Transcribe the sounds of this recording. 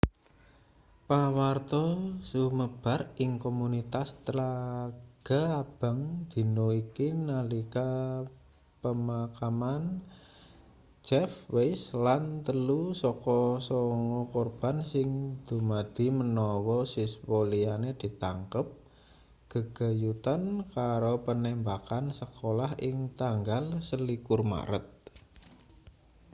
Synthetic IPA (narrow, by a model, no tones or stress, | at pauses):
pawart̪ɔsuməb̥a̤rɪŋkomunit̪ast̪ɾaɡ̥a̤ab̥a̤ŋd̪̥i̤noikinalika | pəmakaman | d͡ʒɛfweslant̪əlusɔkɔsɔŋɔkorb̥a̤nsɪŋd̪̥ṳmad̪̥i̤mənɔwɔsiswolianed̪̥i̤t̪aŋkəp̚ | ɡ̥əɡ̥a̤jut̪ankaɾopənɛmbakansəkolaɦʔɪŋt̪aŋɡalsəlikʊrma̰ɾə̰t̪̚